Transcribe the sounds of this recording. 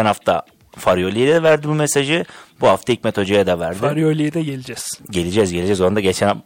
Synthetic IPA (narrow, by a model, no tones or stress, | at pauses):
ænhaft̪ʰa | faɾjolʲijed̪ɛd̪ɛvæɾd̪ibumesaʒib̥uhaft̪aic̚mɛt̪ʰo̞d͡ʒojad̪avæɾd̪iɾjolʲijed̪ɛɟelʲid͡ʒɛz̥ɟe̞lʲid͡ʒɛzɟelʲid͡ʒɛzond̪aɟet͡ʃʰɛn